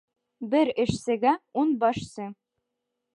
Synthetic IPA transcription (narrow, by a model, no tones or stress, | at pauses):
bɘɾɘ̆ʃsɘ̆ɡæunbɒʃsɤ